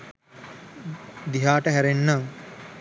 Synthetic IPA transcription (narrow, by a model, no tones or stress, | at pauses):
d̪iɦaːʈəɦæɾenːaŋ